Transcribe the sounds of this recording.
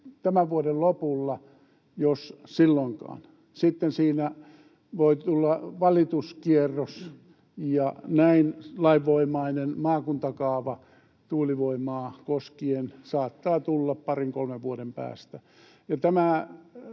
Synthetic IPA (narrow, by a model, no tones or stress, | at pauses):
t̪æmæʋʋuodellopulːɑ | jossilːoŋkɑ̰ːn | sit̪ːensiːnæ | ʋoit̪ulːɑʋɑlit̪uskierːos | jɑnæinlɑiʋːoimɑinenmɑːkunt̪ɑkɑːʋɑ | t̪uːliʋoimɑːkoskiensɑːt̪ːɑːt̪ulːɑppɑriŋkolmeʋʋuodempæ̰ːst̪æ | jɑt̪æmæ